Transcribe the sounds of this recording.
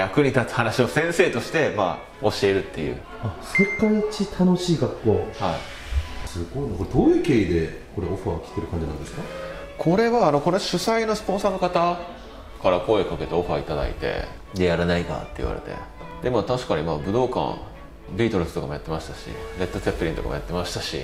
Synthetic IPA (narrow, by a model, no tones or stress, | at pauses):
jakɯ̟ɲ̟it̪at͡sɨ̥hanaɕio̞sẽ̞ɰ̃se̞ːt̪o̞ɕi̥t̪e̞ma̰ | o̞ɕie̞ɾɯ̟t̪ːe̞jɯ̟̰ː | asekait͡ɕit̪ʰano̞ɕiːɡakːo̞ːhaḭ | sɨɡoikoɾed̪oːjɯ̟ːke̞ːid̪e̞ | ko̞ɾeoɸakʲi̥t̪eɾɯ̟kãɲ̟d͡ʑinã̰nd̪e̞sɨ̥ka | kʰo̞ɾe̞βaːno̞ko̞ɾoɕɨsaino̞sɨ̥põ̞ɰ̃saːnokat̪a | kaɾako̞ekake̞t̪e̞o̞ɸɯait̪ad̪a̰ḭt̪e̞̰ | d̪e̞jaɾanaiɡa̰t̪ːe̞i̟βa̰ɾe̞̰t̪e̞̰ | d̪e̞mot̪aɕi̥kaɲ̟imabɯ̟d̪o̞ːkã̰ŋ | bʲiːt̪o̞ɾɯ̟sɨ̥o̞kamo̞jat̪ːe̞maɕi̥t̪aɕḭne̞t̪ːo̞t͡sepːɯ̟ɾʲĩnt̪o̞ka̰mo̞jat̪ːemaɕi̥t̪aɕḭ